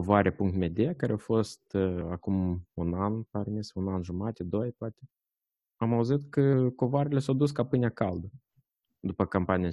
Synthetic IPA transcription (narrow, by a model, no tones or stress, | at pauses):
ovaɾepuŋkt̪med̪ʲeakaɾeawfo̞st̪akumunanparmisunanʒumat̪ed̪o̞jpoat̪ʲe | amauzit̪kəko̞voaɾelʲe̞sawd̪us̬kapɨnʲeakald̪ə | d̪upəkampanija